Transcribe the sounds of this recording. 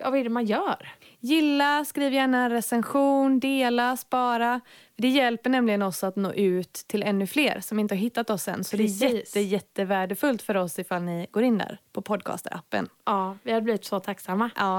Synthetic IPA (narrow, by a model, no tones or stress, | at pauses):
avaɛɖɛmanjœːɾ | jɪlːaskɾiːvjæːɳaɾɛsɛnɧuːnd̪eːlaspɑːɾafœɖɛjɛlpəɳɛmlɪɡənɔsat̪no̰ːʔʉ̟ːt̪ʰːɪlɛnːɵfleːɾsɔmɪnt̪əhaɾɦɪt̪ːat̪ɔsːɛ̰nːsɔd̪ɛæjɛt̪ːəjɛt̪ːəvæːɖəfɵlt̪fœɾɔsɪfalnɪɡoːɾɪnd̪æ̰ːɾpʰɔpʰɔd̪̚kʰɑ̰ːst̪ə̰ɾʔa̰pːə̰nɑːvɪhad̪bliːvɪt̪sɔt̪ʰaksamːaɑː